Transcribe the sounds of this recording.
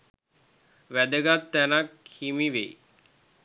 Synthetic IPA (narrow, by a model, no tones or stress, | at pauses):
ʋæd̪əɡat̪ːænakʰhimiʋḛ